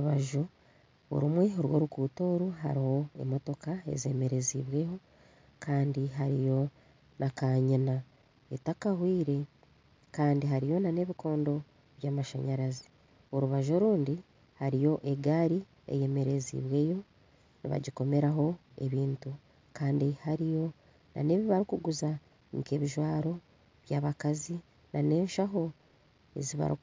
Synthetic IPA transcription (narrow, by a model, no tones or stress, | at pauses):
uβaʒo | o̰ɾumwe̞oɾwo̞̰ːɾukuːto̞ːɾuɦa̰ɾiho̞e̞̰mo̞to̞kae̞̰zḛme̞ɾe̞ziβwe̞ːho̞ | kaːndiɦaɾḭjo̞ | nʔakaɲina | etakahwiːɾe̞ | kaːndiɦaɾijo̞nane̞ːβikʰo̞ːndo̞ | βjaːmaʃa̰ɲaɾazi̥ | o̞ɾuβaʒo̞ɾuːndi | haɾijo̞ʔeɡaːɾi | ḛje̞me̞ɾe̞zḭβwe̞ːjo̞ | nḭβa̰ɟiko̞me̞ɾaɦo̞ | e̞̰βiːntu | kaːndihaɾijo̞ | na̰ne̞ːβiβaɾikuɡuza | ŋke̞βiʒwaːɾo̞ | βjaːβakazi | nʔane̞ːnʃaɦo̞ | e̞̰ziβa̰ɾḭk